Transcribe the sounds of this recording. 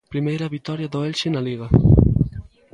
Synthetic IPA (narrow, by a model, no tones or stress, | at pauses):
pɾimejɾaβit̪ɔɾjaðoɛlʃenaliɣa